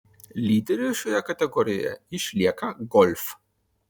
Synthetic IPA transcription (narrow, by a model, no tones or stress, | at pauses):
lʲid̪ɛɾiʃɔjakat̪ɛɡɔɾija̰iʃlʲakaɡɔlʲf